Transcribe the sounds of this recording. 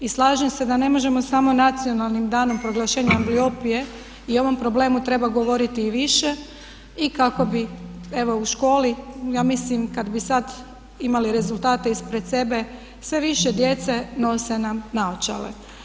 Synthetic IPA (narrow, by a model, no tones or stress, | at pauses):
islˠaːʒemse̞d̪ane̞mo̞ʒe̞mo̞samo̞nat̪sijo̞nalˠnimd̪aːno̞mpɾo̞ɡlaʃeːɲaamblio̞pije̞ | io̞ʋo̞mpɾo̞ble̞ːmut̪ɾe̞baɡo̞ʋo̞ɾit̪iːʋiʃe | ikako̞bie̞ʋo̞uʃko̞ːlijaːmislimkad̪bisad̪ | imaliɾe̞zult̪aːt̪e̞ispɾet̪se̞be̞ | sʋe̞ʋiʃed̪je̞t̪seno̞se̞namnaot͡ʃa̰lḛ